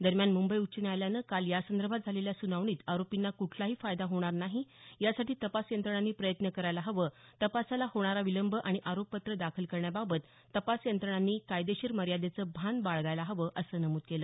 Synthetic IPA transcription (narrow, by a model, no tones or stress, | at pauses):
d̪əɾmjanmumbəiutːt͡ɕəneajljanəkaljasənd̪əɾbʱat̪̚d͡zʱaleljasunaʋɳ̃iːt̪aɾopinːakuʈʰlaɦiːfajd̪aɦoɽ̃aɾnaɦijasaʈiːt̪əpasjənt̪ɾəɳ̃anːiːpɾəjət̪nəkəɾajlaɦəʋət̪əpasalahoɽ̃aɾaʋiləmbʱəʔaɽ̃iʔaɾopːət̪ɾəd̪akʰəlkəɾɳjababət̪ːəpasjənt̪ɾəɳ̃anːiːkajd̪eɕiːɾməɾjad̪et͡səːbʱand̪baɭɡajlaɦəʋəʔəsəːnəmuːd̪̚keləː